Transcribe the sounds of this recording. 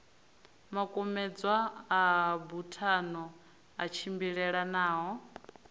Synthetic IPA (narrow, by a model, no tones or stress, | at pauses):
makʼɔmɛd͡zwaː | butʰanɔ | at͡ʃʰimbiɺɛɺanaːɦɔ